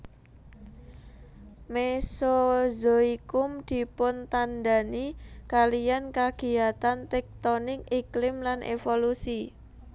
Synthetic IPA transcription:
mesozoikʊmd̪̥i̤pʊnt̪and̪a̤nikalijankaɡ̥i̤at̪ant̪ɛk̚t̪onɪkiklɪmlanʔḛfolusi

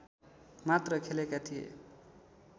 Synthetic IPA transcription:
mat̪rʌkʰelekat̪ʰijḛ

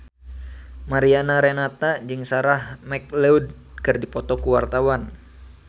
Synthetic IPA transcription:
maɾianaɾenat̪ad͡ʒɨŋsaɾahmɛk̚leud̚ | kɨrdipɔt̪ɔkuwart̪awan

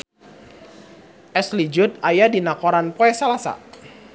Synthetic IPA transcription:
ʔɛslid͡ʒʊt̪̚ajadinakoɾanpɔɛsalasa̰

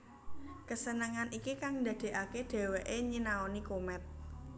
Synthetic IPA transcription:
kəsənəŋanʔikikaŋnd̪ä̤d̪̥e̤ʔaked̪̥e̤weʔeɲinaonikomɛt̪̚

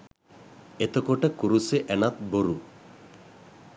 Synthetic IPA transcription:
et̪okoʈakuɾuseʔɛnat̪̚boɾu

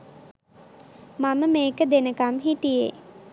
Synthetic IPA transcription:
maməmeːkəd̪enəkamɦiʈijḛ

